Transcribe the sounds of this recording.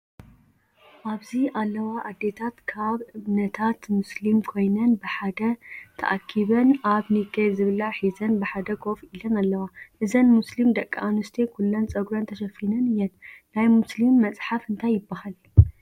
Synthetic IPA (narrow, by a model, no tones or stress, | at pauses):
ʔaβziʔalːɐwaʔːd̪ːe̞t̪ʰat̪kʰaβɨβnɐt̪ʰat̪muslimkʰo̞jnɐnbɨħad̪ɐt̪ʰɐ̰ʔakʰːiβɐnʔaβniɡɐzɨβɨlaħizɐnbɨħad̪ɐkʰo̞filɐnalːɐwaʔɨzɐnmuslimd̪ɐkʼːaʔanust̪ʰekʰulːɐnt͡sʼɐɡuɾɐnt̪ʰɐʃɐfinɐnɨjɛt̪najmuslimːɐt͡sʼħafɨnt̪ʰajːɪbːahal